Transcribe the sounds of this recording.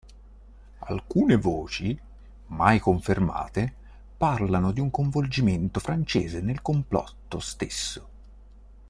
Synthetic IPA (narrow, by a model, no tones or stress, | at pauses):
a̰lkuːnevoːt͡ʃi | majkoɱferma̰ːt̪e | parlanod̪iuŋkoɱvold͡ʒiment̪ofɾant͡ʃḛːzenelkomplɔ̰t̪ːo̰st̪esːo